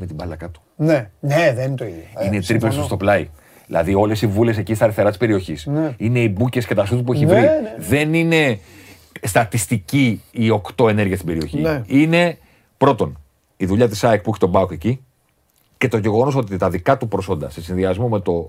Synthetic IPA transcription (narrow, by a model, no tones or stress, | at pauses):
met̪ibɐlɐkɐt̪u̥neneðeineit̪ɾiplest̪ost̪o̞plɐi | ðilɐ̰ðio̞le̞sivule̞se̞cist̪ɐɾiθe̞ɾɐt̪i̥spe̞ɾio̞çisine̞ibuce̞scet̪ɐsut̪up̬ueçivɾiðe̞nine̞ | st̪ɐt̪ist̪iciio̞kt̪o̞e̞ne̞ɾʝiɐst̪ibe̞ɾio̞çḭine̞ | pɾo̞t̪o̞n | iðuʎɐt̪̬isɐekpuçi̥t̪o̞bɐoke̞ci | ce̞t̪o̞ʝe̞ɣo̞no̞so̞t̪it̪ɐðikɐt̪upɾo̞so̞nd̪ɐse̞sinðiɐzmo̞me̞t̪o̞